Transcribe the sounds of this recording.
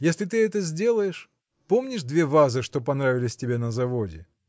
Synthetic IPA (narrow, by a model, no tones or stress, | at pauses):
jesʲlʲɪt̪ɨɛt̪əzʲdʲe̞lˠəjɪʂ | po̞mnʲɪʐd̪vʲe̞vazɨʂt̪o̞pɐnɾavʲɪlʲɪsʲtʲɪbʲenəzɐvodʲɪ